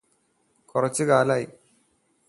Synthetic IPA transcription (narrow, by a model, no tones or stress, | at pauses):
kʊrɐt͡ɕːɨkaːlaːji